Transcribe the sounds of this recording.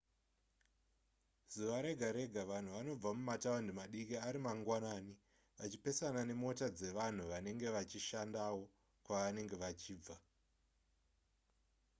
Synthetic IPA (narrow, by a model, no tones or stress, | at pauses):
z̥uʋaɾe̞ɡʱaɾe̞ɡʱaʋan̤uʋano̞b͡vamumatawandimaɗikiaɾimaŋɡwanaːni | ʋat͡ʃipe̞sanane̞mo̞tad͡ze̞ʋan̤uʋane̞ŋɡe̞ʋat͡ʃiʃandawo̞ | kwaʋane̞ŋɡe̞ʋat͡ʃiːb͡va